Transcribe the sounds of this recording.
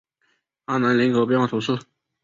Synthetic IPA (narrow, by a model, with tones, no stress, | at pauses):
a˥˩na˧˥nli˧˥ŋko˧˥pjɛ˥nwɑ˥˩t̪ʰo˧˥ʂɹ̩˥˨